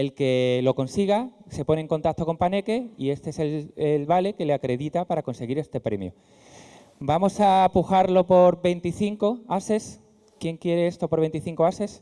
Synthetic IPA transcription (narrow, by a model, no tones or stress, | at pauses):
e̞lke̞lo̞ko̞nsiɣ̞ase̞po̞neŋko̞nt̪ak̪̚t̪o̞ko̞mpane̞ke̞ie̞st̪e̞eselelβale̞ke̞leakɾe̞ðit̪apaɾako̞nse̞ɣ̞iɾe̞st̪e̞pɾe̞mjo̰ | bamo̞sapuxaɾlo̞po̞ɾβe̞nt̪iθiŋko̞ase̞s | kje̞ŋkjeɾe̞est̪o̞poɾβe̞nt̪iθiŋkoase̞s